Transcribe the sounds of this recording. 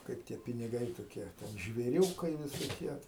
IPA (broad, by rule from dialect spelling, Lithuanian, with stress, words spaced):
ˈkɐɪp tʲiɛ pʲɪnʲɪˈɡɐɪ toːˈkʲiɛ ˈtʲɛn ʒʲʋʲeːˈrʲuːkɐɪ ʋʲɪsoːˈkʲiɛ